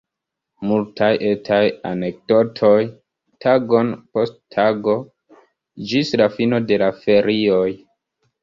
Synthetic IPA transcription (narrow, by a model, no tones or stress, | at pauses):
multʰajʔe̞tʰaja̰ne̞k̚do̞tʰo̞j | tʰaɡo̞npo̞stʰaɡo̞ | d͡ʒislafino̞de̞lafe̞ɾio̞j